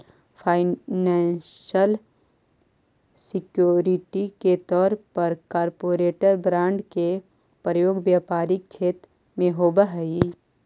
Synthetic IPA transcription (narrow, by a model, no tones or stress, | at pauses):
pʰaːɪnãːnʃəl | sɪkjoːɾɪʈiket̪ɔːɾpəɾkaːɾpoːɾeːʈəɾbɾãːɳɖke | pɾəjoːɡʋjaːpaːɾɪk̚t͡ʃʰeːt̪ɾ | mẽɦoːbaɦi